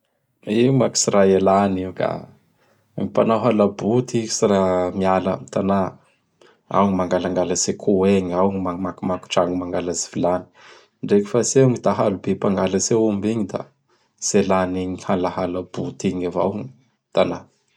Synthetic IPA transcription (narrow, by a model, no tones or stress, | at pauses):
imaki̥siɾaelaniuka̰ | mipanaɦalabut̪iki̥siɾamiala̰mit̪ana | a̰wɲimaŋɡalaŋɡalasekʰueɲawŋimamakumaku̥ʈ͡ʂaŋɡumaŋɡalazivilani̥ | ɳɖ͡ʐeki̥faseŋit̪aɦalubepaŋɡalaseumbiɲid̪a̰ | selaniɲihalahalab̥ut̪iɲava̰wŋi | t̪ana